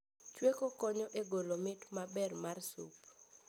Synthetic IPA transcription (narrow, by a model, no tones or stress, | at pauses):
t͡ʃwekokɔɲɔʔeɡolomɪtmabɛrmarsṵp